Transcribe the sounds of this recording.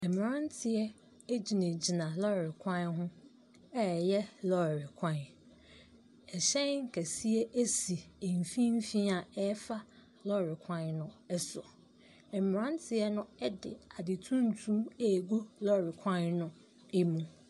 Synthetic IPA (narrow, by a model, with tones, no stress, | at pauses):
ɛ˨m˨ɾã˦n˦tʰɪ˨ɛ˦ | e˦d͡ʑi˨nẽ˨d͡ʑi˨nã˨lɔ˦˨ɾɪ˨kʷʰã˦nɦʊ̃˦ | ɛ˦˨jɛ˦lɔ˦˨ɾɪ˨kʷʰã˦n | ɛ˨ɕɛ̃˦ŋ̩˨kʰæ˨si˦e˦ʔe˦si˨e˨m˨fĩ˦m̩˦fĩ˦a˨ɛ˦fa˦ | lɔ˦˨ɾɪ˨kʷʰã˦nnʊ̃˨˦ɛ˦sʊ˨ | ɛ˨m˨ɾã˦n˦tʰɪ˨˦ɛ˦nʊ̃˦ɛ˦dɪ̰˨a˨dɪ˨tʰũ˦n̩˨tʰũ˦e˨ɡu˦lɔ˦˨ɾɪ˨kʰã˦nnʊ̃˦ | e˦mũ˦